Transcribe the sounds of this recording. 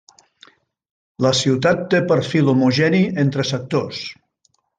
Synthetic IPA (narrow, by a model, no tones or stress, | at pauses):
ləsiwt̪at̪ːepəɾfilomuʒɛnient̪ɾəsək̚t̪os